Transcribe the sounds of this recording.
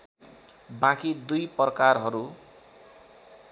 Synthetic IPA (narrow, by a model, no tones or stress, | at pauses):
bãkid̪ujprʌkarɦʌɾu